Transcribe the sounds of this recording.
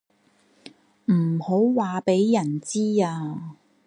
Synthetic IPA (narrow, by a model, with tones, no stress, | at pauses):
m̩˨˩ho˨˥wwaː˨pe˨˥jjɐ˨˩nt͡siː˥aː˧